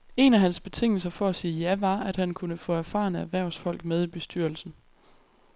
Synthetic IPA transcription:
e̝næɦænsb̥e̝t͡sʰe̝ŋ̰l̩s̬ɐfɒ̽æsiːjæʋɑ̈æd̥hænkʰunəfɔ̽æɐfɑ̰̈ːnəæʋæɐ̰ʊsfɒ̽l̰ɡ̥með̞ˠib̥e̝sd̥yɐ̰l̩sn̩

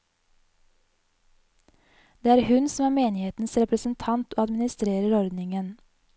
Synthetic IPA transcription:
d̪̥eːæːɾhʉnsmæːɾmeːnɪheːt̪n̩sɾɛpɾəsn̩t̪ʰɑnt̪ʰoːɑd̪mɪnɪst̪ɾeːɾəɾɔɾd̪nɪŋən

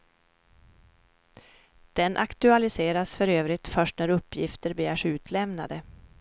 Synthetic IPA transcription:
d̪̥ɛnʔakt̪ɵalɪseːɾasfœɾøːvɾɪt̪fœʂʈnæɾɵpːjɪft̪əɾbɛjæːʂʉ̟ːt̪ʰlɛmna̰d̪ə

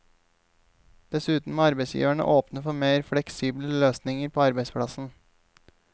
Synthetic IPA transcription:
d̪̥ɛsʉːt̪n̩moːɑɾbɛɪsjḭːʋæɳə̰ʔoːpnəfɔmeːɾfɽɛksiːbləløːsnɪŋəɾpʰoːɑɾbeɪspʰɽɑsn̩

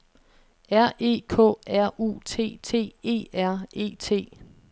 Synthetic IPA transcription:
æɐ̰e̝̰ːkʰɔ̰̽ːæɐ̰ṵːt͡sʰe̝̰ːt͡sʰe̝̰ːe̝̰ːæɐ̰e̝̰ːt͡sʰe̝̰ː

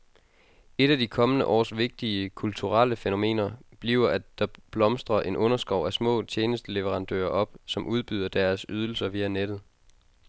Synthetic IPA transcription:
e̝ɾ̥æd̥ikʰɒ̽mənə̰ʔɒ̰ːsʋe̝ɡ̥̚d̥iəkʰult͡sʰuʁaləfeno̝me̝̰ːnɐb̥liːʊɐʔæd̥ɑ̈b̥lɒ̽msd̥ʁɐʔe̝nʔɔ̽nɐsɡ̥ʁɒʊ̰ʔæsmɔ̰̽ːt͡ɕʰeːnəsd̥əle̝ʋəʁɑ̈nd̥ø̰ːɐʔɒ̽b̥sɒ̽mʔuð̞ˠb̥yð̞̰ˠɐd̥æɐsyð̞ˠl̩sɐʋiːæned̥ð̞̩ˠ

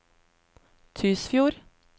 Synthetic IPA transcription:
t̪ʰʏsfjuːɾ

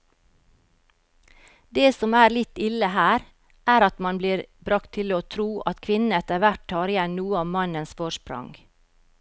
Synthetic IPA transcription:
d̪eːsɔmæːɾlɪt̪ɪləhæːɾ | ʔæːɾɑt̪mɑnbliːɾbɾɑkt̪ʰːɪloːt̪ʰɾuːʔɑt̪kʰʋɪnɛt̪əɾʋæʈtʰɑːɾɪjɛnnuːəɑʋmɑnənsfɔʃpɾʊ̰ŋɡ

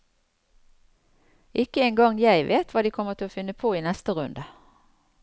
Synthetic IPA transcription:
ʔɪkəeːŋɡɑŋjæɪʋeːt̪ʰʋɑːd̪iːkʰɔmət̪ʰɪloːfɪnəpʰoːiːnɛst̪əʁʉnd̪ə

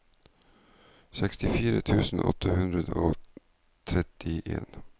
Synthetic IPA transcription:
sɛkst̪ɪfiːɾət̪ʰʉːsn̩ʔɔ̰t̪ʰəhʉnd̪ɾəd̪əoː | t̪ʰɾɛt̪ɪʔḛːn

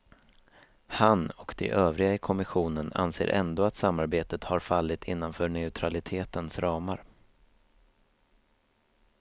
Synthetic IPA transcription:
hanɔkd̪̥ɛ̰ʔøːvɾɪɡaɪkʰɔmɪɧuːnəna̰nsḛːɾʔɛ̰nd̪oːat̪samːaɾbeːt̪ət̪haɾfalːɪt̪ʰɪnːanfœːɳɛʉt̪ʰɾalɪt̪ʰeːt̪ənsɾɑːmaɾ

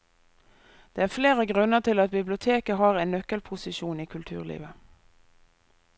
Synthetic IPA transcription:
d̪̥eːæːfleːʁəɡʁʉnəʁt̪ʰɪlɑt̪̚bɪblɪʊt̪ʰeːkəɦɑːʁɛɪnːœkəlpʰʊsɪʃuːniːkʰʉlt̪ʰʉ̰ːʁlḭːʋə

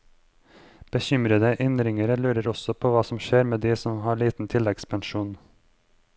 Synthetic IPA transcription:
b̥əçʏmɾəd̪əʔɪnɾɪŋəɾəlʉːɾəɾɔsɔpʰoːʋɑːsɔmʃeːɾmeːd̪iːsɔmhɑːɭiːt̪n̩t̪ʰɪlɛɡspʰɛnʃuːn

